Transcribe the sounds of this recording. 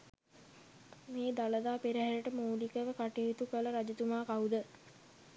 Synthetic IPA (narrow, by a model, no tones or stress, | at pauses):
meːd̪aləd̪aːpeɾəɦæɾəʈəmoːlikəʋəkaʈiɦit̪ukələɾad͡ʒit̪umaːkaud̪ə